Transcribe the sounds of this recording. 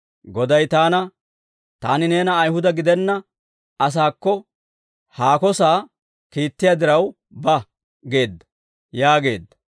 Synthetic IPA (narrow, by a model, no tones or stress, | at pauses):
ɡɔd̪ɐjt̪aːnɐ | t̪aːnɪne̞ːnɐːjhʊd̪ɐɡɪd̪ɛnːɐ | ɐs̬aːkːɔ | haːkɔsaː | kiːt̪ːɪjad̪ɪɾɐw | bɐ | ɡe̞ːd̪ːɐ̥ | jaːɡe̞̰ːd̪ːɐ̥